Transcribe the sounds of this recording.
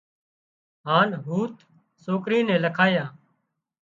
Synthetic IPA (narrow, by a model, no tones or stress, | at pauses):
ɦaːnɦuːt̪ | soːkɾiːnɛ̃ːləkʰaːjãː